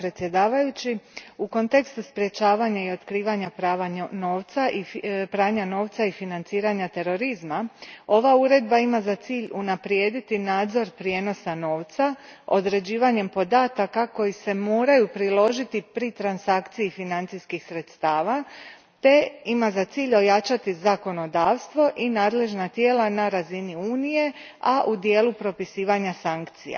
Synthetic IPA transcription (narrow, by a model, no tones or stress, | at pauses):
pɾet̪sje̞d̪aːʋajut͡ɕiuko̞nt̪e̞kst̪uspɾje̞t͡ɕaːʋaɲaio̞t̪kɾiːʋaɲapɾaːʋano̞ːʋt̪saʔipɾaːɲano̞ːʋt̪saifinant̪siːɾaɲat̪e̞ɾo̞ɾizmao̞ʋauɾe̞d̪baimazat̪siːʎunapɾjeːd̪it̪inaːd̪zo̞ɾpɾje̞no̞sano̞ːʋt̪sao̞d̪ɾe̞d͡ʑiːʋaɲe̞mpo̞d̪aːt̪akako̞jise̞mo̞ːɾajupɾilo̞ʒit̪ipɾit̪ɾansakt̪sijifinant̪siskixsɾe̞t̪st̪aːʋa | t̪e̞imazat̪siːʎo̞jat͡ʃat̪izako̞no̞d̪aːʋst̪ʋo̞ʔinaːd̪le̞ʒnat̪je̞ːlanaɾaziniuːnije̞ | aʔud̪je̞ːlupɾo̞pisiːʋaɲasaŋkt̪sija̰